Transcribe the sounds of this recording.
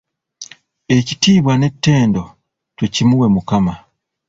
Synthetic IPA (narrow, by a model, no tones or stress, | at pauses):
e̞citiːβwane̞tːe̞ːndo̞ | twecimuwe̞mukama